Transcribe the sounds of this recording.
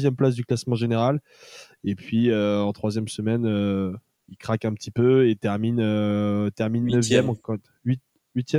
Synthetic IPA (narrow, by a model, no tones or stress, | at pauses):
zjɛmplas̬d̪yklasmɑ̃ʒeneʁal | epɥiøɑ̃t̪χwazjɛmsəmɛnø | ilkχakɛ̃pət̪ʰipøet̪ɛʁminøt̪ɛʁminːəvjɛm̃ | ɥi | ɥit̪jɛ